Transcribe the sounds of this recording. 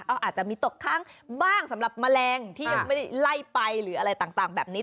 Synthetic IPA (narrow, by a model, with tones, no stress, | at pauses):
ʔaː˧wʔaː˨˩t̪̚t͡ɕa˨˩miː˧t̪o˨˩k̚kʰaː˥˩ŋbaː˥˩ŋsa˨˩˦mɾa˨˩p̚ma˧lɛː˧ŋt̪ʰiː˥˩˧ma˥˩jda˥˩jla˥˩jpa˧jɾɯː˩˦ʔa˧ɾa˧jt̪aː˨˩ŋt̪aː˨˩ŋbɛː˨˩p̚niː˦˥